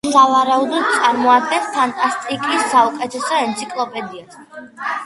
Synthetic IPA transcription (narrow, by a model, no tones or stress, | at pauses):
savaɾaud̪ɔd̪̚t̪sʼaɾmɔad̪̚ɡɛnpʰant̪ʼast̪ʼikʼisːaukʼɛt̪ʰɛsɔɛnt̪sʰikʼlˠɔpʼɛd̪ias